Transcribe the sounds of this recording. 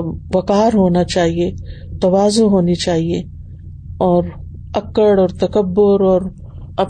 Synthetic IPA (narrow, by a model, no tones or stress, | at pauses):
ʋɐkaːɾɦoːnat͡ʃaːɦiet̪ɐʋaːzoɦoːnit͡ʃaːɦie | ɔːɾ | ɐkəɽɔːɾt̪ɐkəbːʊɾɔːɾ | ɐ